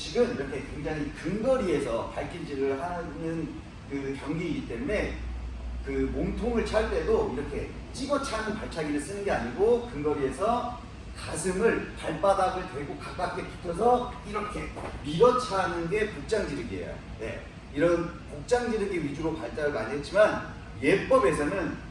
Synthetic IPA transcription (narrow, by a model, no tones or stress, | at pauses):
t͡ɕiɡɯmiɾʌkʰe̞kwe̞ŋd͡ʑaŋɦikɯnɡʌɾie̞sʰʌpaɭk͈ʰind͡ʑiɡɯɭhanɯn | kɯkjʌŋɡiːɡit͈e̞mune̞ | kɯmoŋtʰoŋɯɭt͡ɕʰaɭt͈e̞doiɾʌkʰe̞̰ | t͡ɕ͈iɡʌt͡ɕʰanɯnpaɭt͡ɕʰaɡiɾɯɭs͈ɯnɯnɡe̞aɲiɡokɯŋɡʌɾie̞sʰʌ | kasʰɯmɯɭpaɭp͈adaɡɯɭtʌiɡokak͈ak͈epu̥tʰʌs̬ʰʌiɾʌkʰe̞miɾʌt͡ɕʰanɯnɡe̞pok̚t͡ɕ͈aŋd͡ʑiɾɯɡiḛjo̰ | ne̞̰ | iɾʌnkok̚t͡ɕ͈aŋd͡ʑiɾɯɡiɥid͡ʑuɾopaɭt͡ɕ͈aɾɯɡaɲiɦet̚t͡ɕ͈iman | je̞p͈ʌbe̞sʰʌnɯn